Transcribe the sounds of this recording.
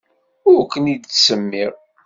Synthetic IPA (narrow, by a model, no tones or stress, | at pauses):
ʊɾkːənid̪t͡ssəmːɪɾ